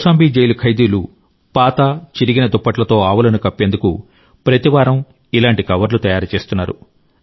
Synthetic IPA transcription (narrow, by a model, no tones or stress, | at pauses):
saːmbiːd͡ʒejulukʰɐjd̪iːlu | paːt̪at͡ʃiɾiɡinɐd̪upːɐʈlɐt̪o̞ːaːʋɐlɐnukɐpːend̪ukṵ | pɾɐt̪iʋaːɾɐm | ilaːɳʈikɐʋɐɾlut̪ɐjaːɾut͡ʃe̞ːst̪unːaːɾṵ